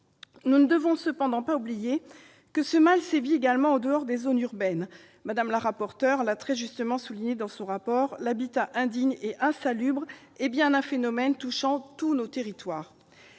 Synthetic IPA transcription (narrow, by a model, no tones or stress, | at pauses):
nunəd̪əvɔ̃səpɑ̃d̪ɑ̃paublije | kəsəmalsevieɡalmɑ̃od̪əɔʁd̪ezonyʁbɛn | mad̪amlaʁapɔʁt̪œʁlat̪χɛʒyst̪əmɑ̃suliɲed̪ɑ̃sɔ̃ʁapɔʁlabit̪aʔɛ̃d̪iɲeʔɛ̃salybʁ | ebjɛ̃nɛ̃fenɔmɛnt̪uʃɑ̃t̪unot̪eʁit̪waːʁ